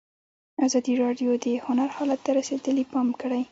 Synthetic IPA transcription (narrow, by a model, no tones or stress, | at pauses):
azɑd̪iɾɑɖjod̪əhʊnaɾhɑlat̪ːaɾased̪əlipɑmkəɽaj